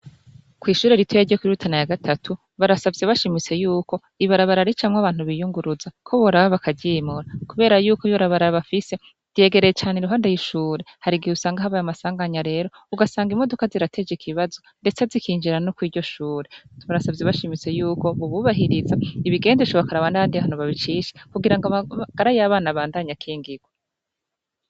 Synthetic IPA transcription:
kwiːʃuːɾe̞ɾitwejaɾɟokwiɾutʰanajaɡatʰatʰu | βaɾasavɟeβaʃimit͡se̞juːko̞ | iβaɾaβaɾaɾit͡ʃamŋaβaːn̥uβijuŋɡuɾuzakʰo̞βoɾaβaβakʰaɟimuɾakuβe̞ːɾajuːkoiβaɾaβaɾaaβafise̞̥ | e̞ːɡe̞ɾejet͡ʃaːneɾuɦaːndejiʃuːɾe̞haɾiɡihusaːŋɡaɦaβajamasaːŋɡaɲaɾe̞ːɾo̞ | uɡasaːŋɡimo̞do̞kaziɾatʰe̞d͡ʒikʰiβazo̞nde̞t͡sezikʰiːɲd͡ʒiɾanokwiːɾɟo̞ʃuːɾe̞tuβuɾasabjeβaʃimit͡se̞juːko̞βuβuβaɦiɾizaiβiɡe̞ːndet͡ʃoβakaɾaβanaβaːndiahan̥uβaβit͡ʃiːʃi̥kuɡiɾaŋɡaaɡ̥aɾajaβaːnaβaːndaɲakʰiːŋɡiɡ̥we

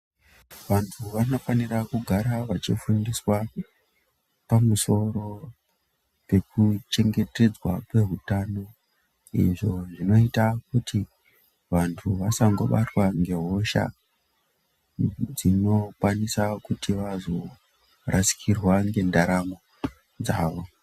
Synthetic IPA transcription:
ʋantʰuʋano̞fanirakuɡʱaɾaʋat͡ʃifundiswa | pamuso̞ɾo̞ | pe̞kut͡ʃe̞ŋɡe̞te̞d͡zwa̰kwe̞ɦutano̞ | ḭʐo̞ʐino̞itak̚utʰi | ʋantʰuʋasaŋɡo̞ɓatwaŋɡe̞ɦo̞ʃa̰ | d͡zino̞kwanisakutʰiʋazo̞ | rasi̥kʰirwaŋɡe̞ndaɾamo̞ | d͡zaːʋo̞

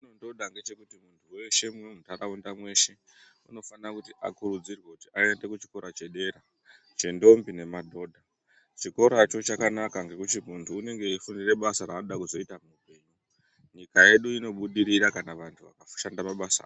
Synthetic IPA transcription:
ino̞ndo̞dʱaŋɡe̞t͡ʃe̞kutimuntʰuwe̞ʃe̞muunutaɾaundamwe̞ʃe̞ | ṵno̞fanrakutiʔa̰kurud͡zirwe̞kutiae̞nde̞kut͡ʃi̥ko̞ɾat͡ʃe̞ɗe̞ɾa | t͡ʃe̞ndo̞mbine̞madʱo̞dʱa | t͡ʃiko̞ɾat͡ʃo̞t͡ʃakanakaŋɡe̞kut͡ʃimuntʰuːne̞ŋɡe̞ifundire̞ɓasaɾaːnoɗakuzo̞itamuːpe̞ːɲu | ɲikaje̞ɗuino̞ɓuɗiɾiɾakanaʋantʰuʋa̰kafʃandamaɓasa̰ː

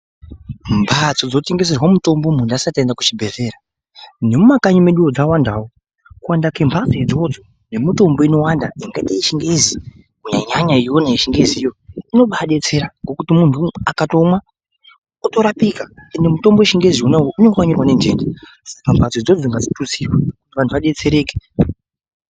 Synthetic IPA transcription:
mbʱat͡sod͡zote̞ŋɡes̬erwamuto̞mbo̞mundasatendaku̥t͡ʃibʱe̞ze̞ːɾa | ne̞mumakaɲume̞ɗuwod͡zawandaːwo | kuwandake̞mbʰʱat͡sed͡zo̞d͡zo | ne̞mito̞mbo̞ino̞wandaiŋɡaitaiʃiŋɡezi | uɲa̰ɲaɲaijonaiʃiŋɡeziːjo̞ino̞ɓaɗe̞t͡se̞ɾaŋɡo̞kutimuntʰuakato̞mwa | uto̞ɾapikaendemuto̞mboeʃiŋɡe̞zionaujoʔuneŋɡowaɲirwane̞nd͡ʒḛnd͡ʒi | spambʱasod͡zod͡ziŋɡad͡zitut͡sirwaku̥tiʋantʰuʋaɗe̞t͡se̞ɾe̞ːke̥

